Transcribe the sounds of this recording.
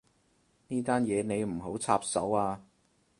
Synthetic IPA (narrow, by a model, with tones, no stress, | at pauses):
niː˥t̪aː˥njɛː˨˧ne˨˧jm̩˨˩ɦo˨˥wt͡sʰa̰ː˧p̚sɐ̰˨˥waː˧